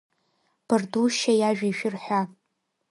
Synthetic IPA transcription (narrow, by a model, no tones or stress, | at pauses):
b̥ɨrduʃajaʒᶣiʃᶣɪrħʷa